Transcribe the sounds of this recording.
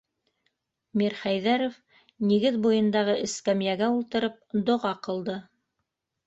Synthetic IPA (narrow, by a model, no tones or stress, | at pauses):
miɾχæjðæɾof | niɡɘðbujɤ̆nd̪ɑʁɤʔɘ̆skæmjæɡæulˠt̪ɤ̆ɾɤp̚d̪ŏʁɑqɤ̆lˠd̪ɤ